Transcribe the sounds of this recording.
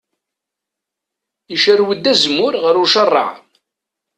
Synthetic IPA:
iʃərwəd̪ːæzmʊɾʁəɾuʃərˤːɑ̰ʕ

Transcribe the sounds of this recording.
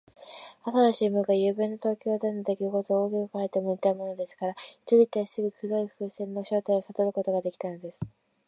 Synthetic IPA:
hat̪aɾaɕiːmɯɡajɯːbẽnːot̪o̞ːkʲo̞ːd̪anod̪e̞kʲiɯko̞t̪oːɡʲiɯkait̪emoit̪aɯmo̞no̞d̪e̞sɨ̥kaɾaçi̥t̪oɾʲit̪aisɨɡɯ̟kɯ̟ɾo̞iɸɯ̟ːsẽ̞nːo̞ɕo̞ːt̪aio̞sat̪o̞ɾɯ̟ko̞t̪o̞ɡad̪e̞kʲi̥t̪ano̞d̪e̞sɨ̥

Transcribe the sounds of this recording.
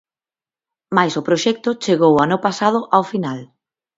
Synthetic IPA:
majsʊpɾoʃɛk̚t̪ʊt͡ʃeɣowanʊpasað̞ʊʔawfinal

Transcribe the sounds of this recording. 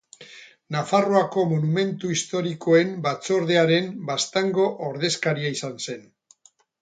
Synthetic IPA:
nafaroako̞monume̞nt̪uist̪o̞ɾiko̞e̞mbat͡so̞ɾðe̞aɾe̞mbast̪aŋɡo̞ʔoɾð̞e̞skaɾiaisanse̞n

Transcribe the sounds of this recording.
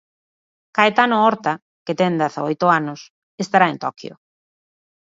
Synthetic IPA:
kaet̪anoɔɾt̪a | ket̪ɛnd̪aθa̰ojt̪ʊanʊs | est̪aɾaent̪ɔkjo̰

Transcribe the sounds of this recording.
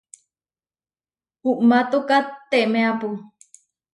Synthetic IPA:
uʔmat̪ukat̪ːeʔmeapu

